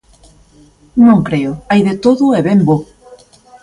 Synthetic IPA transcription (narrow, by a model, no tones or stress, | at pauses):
nõŋkɾeʊajðet̪oðʊeβembo